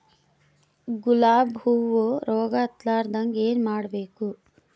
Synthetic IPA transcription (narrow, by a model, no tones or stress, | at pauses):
ɡulaːbʱuːʋoːɾɔːɡɐt̪laːɾd̪ɐŋɡeːnmaːɽɐbeːku